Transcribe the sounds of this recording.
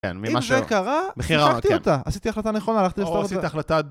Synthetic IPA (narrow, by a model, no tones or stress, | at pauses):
ḛnmiimʃzekaʁabeχiaakt̪iont̪aasit̪iaχlat̪aneχonaːlaχt̪iestaʁtsiiaχlat̪a